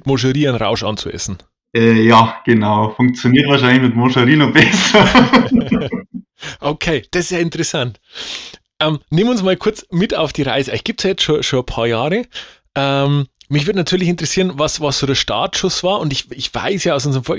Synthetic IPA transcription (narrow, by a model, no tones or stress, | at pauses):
tmoʃ̬əʁiːaɪnʁa̰ʊʃɑ̰nt͡suʔɛ̰sn̩ | ɛːjaːɡ̥ənaʊfʊŋk̚t͡sjoniːɐtvaːɐʃ̬aɪnlɪçmɪtmoʃəʁiːnɔχb̥ɛsɐ | ʔokʰeːd̥ɐssjaːɪntəʁɛsant | ʔɛːmneːmʊnsmaːlkʰʊɐt͡smɪta̰ʊfd̥iːʁa̰ɪzəaɪçɡ̥iːp̚tsjaːjɛt͡stʃoʃonəpʰaːɐjaːʁə | ʔɛmmɪçvʏɐtnatʰyːɐlɪçɪntʁ̥ɛsiːʁənvɑsvɑsz̥oːdɛːɐʃta̰ːɐtʃʊsv̥aːɐʊntɪçɪçv̥a̰ɪsjaːaʊs̬ʊnzəəmfɔ